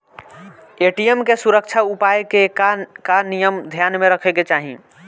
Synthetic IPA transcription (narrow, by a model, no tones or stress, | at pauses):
eʈijemkesuɾək̚t͡ʃʰaupajkekakanijəmd̪ʱjanmeɾəkʰɛket͡ʃaɦḭ̃